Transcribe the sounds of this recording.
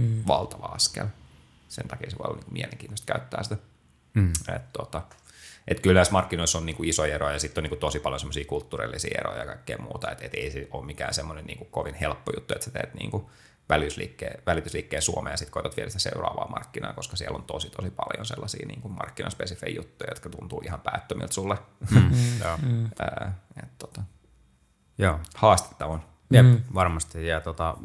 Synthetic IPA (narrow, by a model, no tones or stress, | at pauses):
ʋɑlt̪ɑʋɑɑskḛl | sḛnt̪ɑkieseʋo̰lːɑniːŋkumieleŋkiːnost̪kæyt̪ːæːsit̪æ | ḛt̪t̪ot̪ɑ | ʔet̪kylnæsmɑrkːinoisːonniːŋkuisoierojɑsit̪ːoniːŋkut̪osipɑljonsemːosiːkult̪ːuːrḭlːisḭːḛro̰jɑkɑikːeimṵːt̪ɑet̪et̪eisiʔoːmmikæːnsemːonennḭːŋkukoʋinhelpːojut̪ːuet̪set̪ḛːt̪nḭːŋku | ʋælit̪yslḭːkːeːʋælit̪ysliːkːeːsuomeːjɑsit̪koit̪ot̪ʋiɛlsit̪æseurɑ̰ːʋɑ̰ːmɑrkːinɑ̰ːkoskɑsiɛlːont̪osit̪osipɑljonselːɑsḭːnḭːŋkummɑrkːinɑspesifeijjut̪ːujɑjot̪kɑt̪unt̪uːʔihɑmpæːt̪ːømḭlt̪sulːe | əːet̪t̪ot̪ɑ | joːhɑːst̪e̥t̪ːɑʋɑn | jeʋɑrmɑst̪ijɑt̪ot̪ɑ